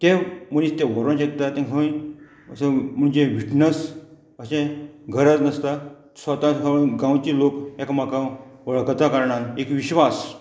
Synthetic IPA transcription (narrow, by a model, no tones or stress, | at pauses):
t̪ẽm̤əñist̪ẽʋɔɾə̃nɕek̚t̪at̪ɛ̃kʰəʋə̃j | əsəm̤əɳd͡ʑeʋiʈnəs | əsẽɡʱəɾat̪nəst̪a | sʋət̪ãkʰəʋə̃ɡãwt͡ɕilokɛkmakãʋəɭkət̪ʰakəɾɳaekʋiɕʋas